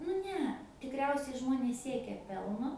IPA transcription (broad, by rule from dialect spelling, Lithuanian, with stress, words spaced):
nʊ ˈnʲɛ tʲɪkˈrʲɛʊsʲɛɪ ˈʒmoːnʲeːs ˈsʲiɛkʲɛ ˈpʲɛlˠnoː